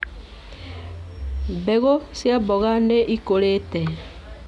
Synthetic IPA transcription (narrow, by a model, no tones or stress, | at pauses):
bɛɣosjabɔɣaneʔikoletɛ